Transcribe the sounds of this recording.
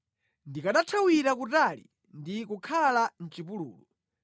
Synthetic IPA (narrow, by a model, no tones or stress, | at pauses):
ndikaɗatʰawiɾak̬utalḭ | ndikukʰalan̩t͡ʃipulṵːlu